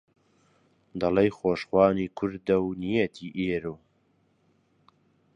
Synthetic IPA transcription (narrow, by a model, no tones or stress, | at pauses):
d̪ɐlejxoːʃχwɑːniːkʰʊɾd̪ɐwnijet̪ʰiːʔeːɾuː